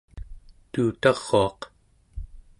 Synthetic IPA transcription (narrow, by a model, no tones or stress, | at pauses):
t̪uːt̪ɑʁːo̞ɑq